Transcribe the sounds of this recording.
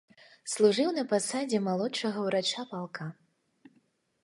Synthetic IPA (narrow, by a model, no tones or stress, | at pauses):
slˠuʐɨwnɐpasad͡zʲɛmalˠɔt͡ʂɐɣɐwɾat͡ʂapalˠka